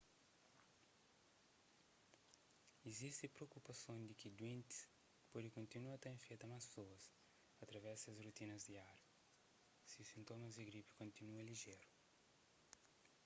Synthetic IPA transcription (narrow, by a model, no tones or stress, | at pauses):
izist̪ɪpɾeokupɐsõd̪ikid̪wẽnt̪i̥s | pɔd̪ɪkõnt̪inuɐt̪ɐ̃ẽfejt̪ɐmãssoɐs | ɐt̪ɾɐvɛsɐzrut̪inɐzd̪iaɾɐ | siusĩnt̪omɐzd̪iɡɾipi̥kõnt̪inuɐliʒeɾu